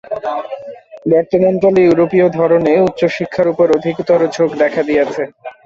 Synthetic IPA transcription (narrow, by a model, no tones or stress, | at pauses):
bɔkt̪oment̪alijuɾopiod̪ʱɔɾoneut̪ːɕoʃikʰːaɾupoɾod̪ʱikot̪oɾod͡ʑoɡd̪ɛkʰad̪ijet͡ɕʰe